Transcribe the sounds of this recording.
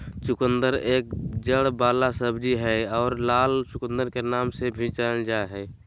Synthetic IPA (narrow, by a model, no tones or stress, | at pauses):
t͡ʃʊkənd̪əɾeːk̚d͡ʒəɽbaːlasəbd͡ʒiɦɛɔːɾlaːlt͡ʃʊkə̃nd̪əɾkenaːmsebʱĩt͡ʃəld͡ʒaɦɛː